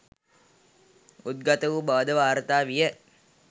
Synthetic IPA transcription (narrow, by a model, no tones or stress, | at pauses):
ut̪̚ɡat̪əʋubaːd̪əʋaːɾət̪aːʋijə